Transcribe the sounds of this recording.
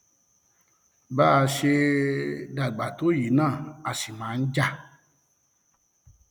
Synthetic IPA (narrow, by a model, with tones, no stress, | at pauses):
ba˦˧ʃe˧ | da˨ɡ͡ba˨to˨˦ji˨˦nãː˦˨a˨si˨mãː˨˦n̩˦d͡ʒa˦˨